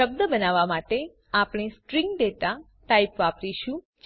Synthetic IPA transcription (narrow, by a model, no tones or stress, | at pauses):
əb̚d̪əbənaʋamaʈe | apɽ̃isʈɾiŋɡɖ̪et̪a | ʈaipʋapɾiʃũ | d͡ʒ